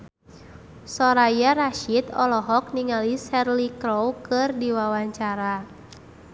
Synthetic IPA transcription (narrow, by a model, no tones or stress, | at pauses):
sɔɾajaraʃit̪ɔlɔɦɔk̚niŋalisɛrlikɾowkɨrdiwawaɲt͡ʃaɾa